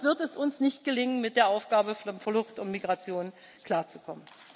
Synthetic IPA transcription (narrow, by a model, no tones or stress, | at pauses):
v̥ɪɐtɛsʔʊnsnɪçt̚ɡ̥əlɪŋənmɪt̚d̥eːɐʔaʊfɡ̥aːbəfɐlʊχtʊntmiɡʁat͡sjoːnkl̥aːɐt͡su̥kʰɔmən